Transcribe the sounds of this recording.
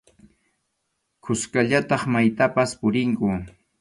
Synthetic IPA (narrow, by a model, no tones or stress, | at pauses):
kʰʊskaʎat̪ɑχmajt̪apaspʊɾɪŋkʊ